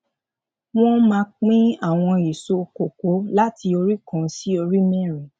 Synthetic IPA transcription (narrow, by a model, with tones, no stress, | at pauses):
w̃ɔ̃˦mãː˧k͡pĩ˦a˦˨w̃ɔ̃˧i˨so˧ko˨ko˨˦la˦ti˧o˧ɾi˦kɔ̃˦˨˧si˦o˧ɾi˦mɛ̃˦˨ɾĩ˨